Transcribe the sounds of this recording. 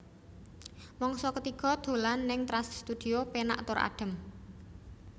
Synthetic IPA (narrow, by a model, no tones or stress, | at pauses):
mɔŋsɔkət̪iɡ̥ɔ̤d̪̥o̤lanːɪŋt̪ɾasst̪ud̪̥iopena̰ʔt̪ʊɾʔa̰ɖ̥ə̤m